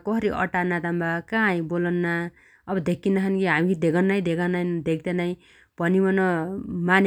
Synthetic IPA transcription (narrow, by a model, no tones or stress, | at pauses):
kʌɦʌɾiʔʌ̰ʈanat̪ambakajbolʌnːa | ʌbʌd̪ekʰːinaɦʌnkiɦamikid̪ekʰanːʌj̃d̪ekʰanajnd̪ek̚ʰd̪enaj̃ | pʌnimʌnʌmane